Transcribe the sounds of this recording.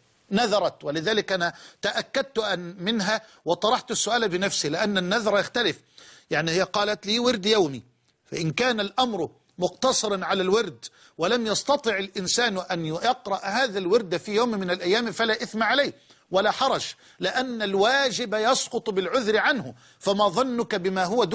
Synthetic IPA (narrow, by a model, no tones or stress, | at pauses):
naðɑɾˤɑt̪wɪlɪðaːlɪkʔanat̪aʔakːad̪̚t̪ʔmɪnɦa | wɑt̪ˤɑɾˤɑħt̪ʊsːʊʔaːlbɪnafsilɪʔanːanːaðɾˤɑjaxt̪alɪf | jaʕnihɪjːqɑːlat̪liːwɪɾd̪jawmi | faʔɪnkaːnalʔamɾʊ | mʊqt̪ɑsˤɨɾɑnʕalalwɪɾd̪ | walamjɑst̪ɑt̪ˤɨʕɪlʔɪnsaːnʔanjɑqɾˤɑʔhaːðalwɪɾd̪afijoːmmɪnalʔajːaːmfalaːʔɪθmaʕalaː | walaħɑɾˤɑʃ | lɪʔanːalwaːd͡ʒɪbajɑsqʊt̪ˤbɪlʕʊðɾɪʕanhʊ | famaːðˤɑnːʊkabɪmaːɦʊwad̪